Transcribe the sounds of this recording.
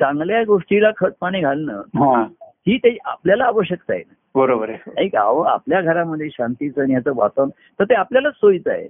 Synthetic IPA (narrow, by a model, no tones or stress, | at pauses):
t͡sãŋɡljaɡoʂʈilakʰət͡s̚paɽ̃iːɡʱalnə̰ːɦãɦiːt̪eia̰pljalaːʋəɕjək̚t̪a̰ḛna | bəɾobəɾeika̰ʋəa̰pljaɡʱəɾaməd̪ʱːjeɕant̪it͡sənijat͡səʋa̰t̪on | t̪əɾt̪eapljalasojt͡sa̰ḛ